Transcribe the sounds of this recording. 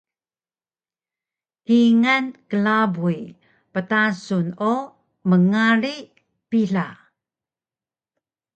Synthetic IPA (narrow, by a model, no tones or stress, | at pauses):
hiŋankəlabui | pətasunu | məŋaɾi | piɮa